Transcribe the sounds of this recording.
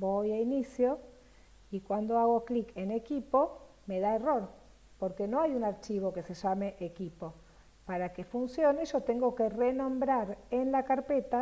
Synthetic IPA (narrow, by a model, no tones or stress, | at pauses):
bojainisjo | ikwand̪o̞aɣ̞o̞klike̞ne̞kipo̞ | me̞ðae̞ro̞ɾ | po̞ɾke̞no̞ajunaɾt͡ʃiβ̞o̞ke̞se̞ʒame̞ʔekipo̞ | paɾake̞funsjo̞ne̞ʒo̞t̪e̞ŋɡo̞ke̞re̞nõ̞mbɾaɾenlakaɾpe̞t̪a